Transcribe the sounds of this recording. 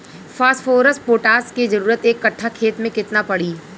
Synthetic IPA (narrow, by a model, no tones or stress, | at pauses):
fʰaːsʈfʰoːɾəsʈpoːʈaːskezɐɾuːɾət̪eːkːɐʈʰːakʰeːt̪mẽkɪt̪napɐɽiː